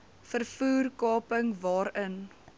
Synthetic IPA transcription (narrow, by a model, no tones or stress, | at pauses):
fərfuːrkɑːpəŋvɑːɾən